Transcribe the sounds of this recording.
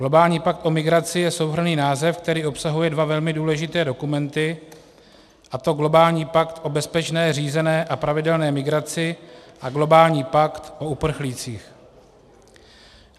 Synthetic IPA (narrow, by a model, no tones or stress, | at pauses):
ɡ̥lo̞baːlɲiːpak̚t̪ʔo̞mɪɡɾat͡sɪjɛsowɦr̩niːnaːzɛfkt̪ɛɾiːʔo̞psaɦujɛdvavɛlmɪduːlɛʒɪt̪ɛːdo̞kumɛnt̪ɪ | ʔat̪o̞ɡlo̞baːlɲiːpakt̪ʔo̞bɛspɛt͡ʃnɛːr̝iːzɛnɛːʔapɾavɪdɛlnɛːmɪɡɾat͡sɪʔaɡlo̞baːlɲiːpakt̪ʔo̞upr̩xliːt͡siːx